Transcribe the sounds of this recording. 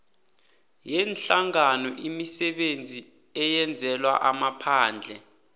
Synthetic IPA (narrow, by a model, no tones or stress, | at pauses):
jɛnɬaŋanɔʔimisɛɓend͡zʱi | ɛjɛnd͡zʱɛlwa̰ʔamapʰaːnd͡ɮʱɛ